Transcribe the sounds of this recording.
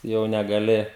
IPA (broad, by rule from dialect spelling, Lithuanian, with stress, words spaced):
jɛʊ nʲɛɡɐˈlʲɪ